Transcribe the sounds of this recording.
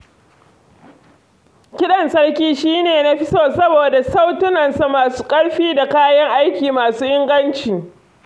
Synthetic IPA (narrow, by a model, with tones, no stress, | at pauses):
kʲɪ˦ɗɐ˨nsɐ˦ɽkʲiː˦ʃiː˦neː˨na˦ɸɪ˦soː˨sɐ˦boː˨da˨sa˦wtʊ˦nɐ˨nsa˨maː˨su̥ː˦kʼɐ˦ɽɸiː˦da˨kaː˦jɐ˦ŋʔa˦jkʲiː˨maː˨suː˦ʔɪ˦ŋɡɐ˦nt͡ʃi˨